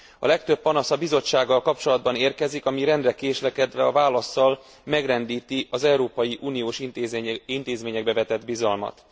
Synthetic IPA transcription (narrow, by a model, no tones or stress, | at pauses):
ɒ̰lɛk̚t̪ø̞pːɒnɒsɒbizo̞t͡ʃːaːɡːɒlkɒp̚t͡ʃo̞lɒd̪bɒneːrkɛzikɒmiɾɛnd̪rɛkeːʃlɛkɛd̪ʋɛɒvaːlɒsːɒl | mɛɡrɛnd̪iːt̪iɒzɛɾoːpɒjiʔuːnijoːʃiint̪eːzmeːɲɛɡ̚bɛvɛt̪ɛd̪bizɒlmɒ̰t̪